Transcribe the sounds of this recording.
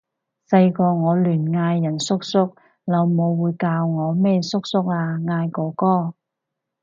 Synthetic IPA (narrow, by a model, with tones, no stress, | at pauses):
sɐ˧jkɔː˧ŋɔː˨˧lyː˨˩nŋaː˧jːɐ˨˩nsʊ˥k̚sʊ˥k̚ | lɐ˨˧wmo˨˧wːuː˨˧jkaː˧wŋɔː˨˧mɛː˥sʊ˥k̚sʊ˥k̚aː˧ŋaː˧jkɔː˨˥kɔː˥˩